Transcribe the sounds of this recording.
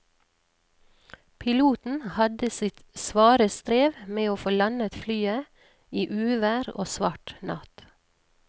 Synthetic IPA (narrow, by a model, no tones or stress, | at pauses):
pʰɪluːt̪n̩hɑd̪əsɪt̪sʋɑːɾəst̪ɾeːʋmeːoːfoːlɑnət̪flyːə | iːʔʉːʋæːɾo̰ːsʋɑʈnɑ̰t̪